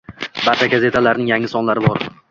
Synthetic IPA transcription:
bat̪ʰaɡʲaze̞t̪ʰalaɾnɪŋjaŋːɪsɒnlaɾɪbɒɾ

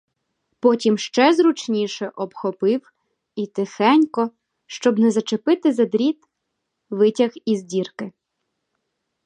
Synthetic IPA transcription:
pɔtʲimʃt͡ʃɛzɾut͡ʃnʲiʃɛʔɔbxɔpɪw | it̪ɪxɛnʲkɔ | ʃt͡ʃɔbnɛzɐt͡ʃepɪt̪ɪzɐd̪ɾʲit̪ | ʋɪtʲɐxizʲdʲirkɪ

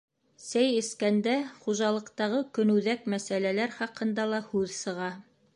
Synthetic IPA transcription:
sæjɘ̆skænd̪æχuʒɑlˠɤ̆qt̪ɑʁɤkɵ̆nʉ̆ðækmæsælælæɾχɑqɤ̆nd̪ɑlˠɑhʉðsɤ̆ʁɑ

